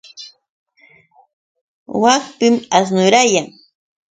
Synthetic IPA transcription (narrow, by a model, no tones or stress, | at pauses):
wakpɪmas̬nʊɾajaŋ